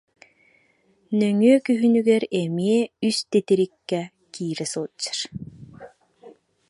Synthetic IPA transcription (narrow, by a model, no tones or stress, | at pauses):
nœŋyɛkyɦynyɡɛɾɛmiɛyst̪et̪iɾikːɛ | kiːɾɛsuːt͡ɕːḁɾ